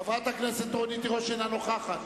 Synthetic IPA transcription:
avat̪akneset̪ːonit̪iʁoʃenanoχaχat̪

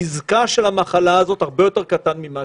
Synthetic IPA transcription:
izkaʃelamaχalaːzo̞t̪haʁbejo̞te̞ʁkat̪anmima

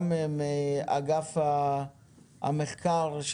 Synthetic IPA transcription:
memea̰ɡafa | a̰meχkaʁʃ

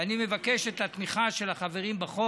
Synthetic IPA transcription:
anime̞vakeʃet̪hat̪miχaʃelaχave̞ʁimbaχo

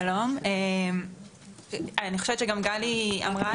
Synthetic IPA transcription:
lo̞mem | anixoʃevett͡ʃeɡamɡalia̰mʁa

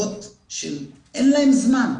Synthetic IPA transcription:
t | ʃel | ʔenlaemzman

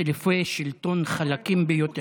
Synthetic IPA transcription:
lifejʃilt̪o̞nχalakimbejot̪e

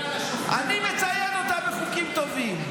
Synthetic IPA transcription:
ʔa̰nimet͡sajenot̪ameχukimt̪ovim

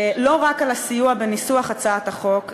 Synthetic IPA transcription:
lo̞ʁakalasijuabenisuaχat͡saat̪aχo̞k

